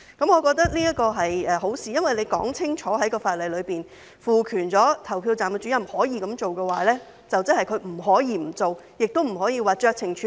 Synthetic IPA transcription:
kɐ˨˥mŋɔː˨˧kɔː˧k̚t̪ɐ˥k̚niː˥jɐ˥t̚kɔː˧ɦɐ˨jɛː˨ɦo˨˥wsiː˨jɐ˥nwɐ˨jle˨˧jkɔ̰ː˨˥ŋt͡sʰɪ˥ŋt͡ʃʰɔː˨˥ɦɐ˨˥jkɔː˧faː˧t̚lɐ˨jlɵ˨˧ɥpiː˨˩n | fuː˨˩kʰyː˨˩nt͡sɔː˨˥t̪ʰɐ˨˩wpʰiː˧wt͡saː˨mkɛ˧t͡ʃyː˨˥jɐ˨˩mhɔː˨˥jiː˧kɐ˨˧˥mt͡ʃo˨wkɛː˧waː˨˥lɛː˥ | t͡sɐ˨wt͡sɐ˥nhɐ˨jkʰɵ˨˧ɥm̩˨˩ɦɔː˨˥jiː˧m̩˨˩t͡so˨w | jɪ˨k̚t̪o˥wm̩˨˩hɔː˨˥jiː˧waː˨˩t͡ʃœː˧k̚t͡sʰɪ˨˩ŋt͡ʃʰː

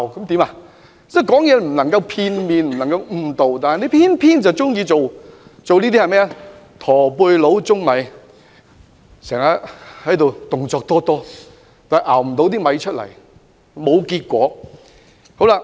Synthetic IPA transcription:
wkɐ˨˥mt̪iː˨˥ma˧ | sɛ˥kɔː˨˥ŋjɛː˨˧m̩˨˩lɐ˨˩ŋkɐ˧wpʰiː˧nmiː˨nm̩˨˩nɐ˨˩ŋkɐ˧wm̩˨˧˩t̪o˨wt̪aː˨nɐ˨le˨˧˥pʰiː˥npʰiː˥nt͡sɐ˨˩wt͡sʊ˥ŋjiː˧t͡so˨wt͡so˨wniː˥t̪i˥hɐ˨jmɛː˥˨ | t̪ʰɔː˨˩puː˧jlo˨˥wt͡sʊ˥ŋmɐ˨˥j | sɛː˨˩ŋaː˨˥hɐ˨˥jt̪o˨wt̪ʊ˨ŋt͡sɔː˧k̚t̪ɔː˥t̪ɔː˥ | t̪aː˨ɐ˨˩ʔaː˨˩wm̩˨˩t̪o˨˥wt̪iː˥mɐ˨˧jt͡ʃʰɵ˥t̚lɐ̰˨˩j | mo˨˧wkiː˧t̚kʷɔː˨˥ | ho˨˥wla˧

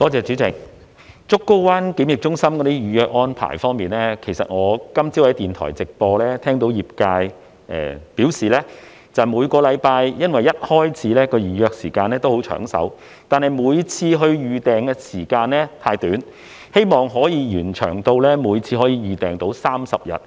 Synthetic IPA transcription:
kɔː˧t͡sɛː˨˧t͡ʃyː˨˥t͡sɪ˨˩k̚ | t͡sʊ˥kːo˥wwaː˥nkiː˨˥mjɪ˨k̚t͡ʃʊ˥ŋsɐ˥mkɔ˨˥niː˥jyː˨˧jœː˧k̚ŋɔː˥npʰa̰ː˨˩jfɔː˥ŋmiː˨nlɛː˥kʰe˨˩jsɐ̰˨t̚ŋɔː˨˧kɐ˥mt͡siː˥whɐ˨˥jt̪iː˨˩nt̪ʰɔ̰ː˨˩jt͡sɪ˨k̚pɔː˧lɛː˥t̪ʰɛː˥ŋt̪o˨˥wjiː˨p̚kaː˧j | ʔɛ̰ː˨piː˨˥wsiː˨lɛː˥ | t͡sɐ˨wmuː˨˧jkɔː˧lɐ˨˧jpaː˧jjɐ˥nwɐ˨˩jːɐ˥t̚hɔː˥jt͡sʰiː˨˥lɛː˥kɔː˧jyː˨˧jœː˧k̚siː˨˩kaː˧nlɛː˥t̪o˥who˨˥wt͡ʃʰœ̰ː˨˩ŋsɐ̰˨˥w | t̪aː˨nhɐ˨jmuː˨˧jt͡sʰiː˧ɦɵ˧ɥjyː˨t̪ɛː˨˩ŋkɛː˧siː˨˩kaː˧nlɛː˥t̪ʰaː˧jt̪yː˨˥n | he˥jmɔː˨ŋɦɔː˨˥jiː˨˧jyː˨˩nt͡ʃʰœ̰ː˨˩ŋt̪o˧wlɛː˥muː˨˧jt͡sʰiː˧ɦɔː˨˥jiː˨˧ɥyː˨˧t̪ɛː˨ŋt̪o˨˥wsaː˥msɐ˨p̚jɐ̰˨t̚

